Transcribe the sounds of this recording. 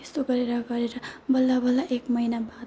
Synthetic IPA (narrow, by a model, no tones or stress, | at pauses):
est̪oɡʌɾeɾʌɡʌɾeɾʌbʌlːabʌlːaʔekmʌinabat̪